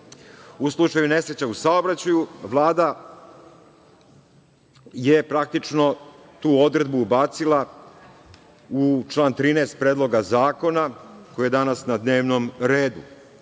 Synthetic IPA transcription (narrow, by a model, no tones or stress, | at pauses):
uslˠut͡ʂajune̞sɾet͡ɕausao̞bɾat͡ɕajuʋlˠaːd̪a | jepɾak̚t̪it͡ʂno̞ | t̪uːo̞d̪ɾe̞d̪buːbaːt̪silˠa | ut͡ʃlˠaːnt̪ɾiːneːst̪̚pɾeːd̪lo̞ɡazaːko̞nako̞jije̞d̪anasnad̪ne̞ːʋnomɾe̞ːd̪u